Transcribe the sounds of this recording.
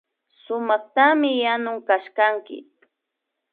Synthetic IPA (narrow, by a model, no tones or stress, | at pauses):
sʊmɑχt̪amɪjanʊŋkaʃkaŋkɪ̰